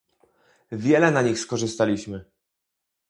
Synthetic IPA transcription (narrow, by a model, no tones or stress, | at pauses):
vʲjɛlɛnaɲixskɔʐɘst̪alʲiɕmɘ